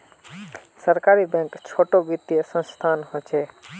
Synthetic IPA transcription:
səɾkaɾibɛ̃ŋkt͡ʃʰoʈobit̪ːiesə̃nst̪ʰaːnhot͡ʃʰe

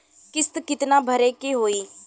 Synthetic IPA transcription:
kɪst̪kɪt̪naːbʱəɾeːkeɦoːiː

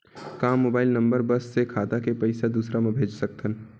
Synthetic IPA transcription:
kaːmːoːbaːɪlnə̃mbəɾbəsːekʰaːt̪akepɐɪsad̪uːsɾamẽbʱeːd͡ʒsək̚t̪ən

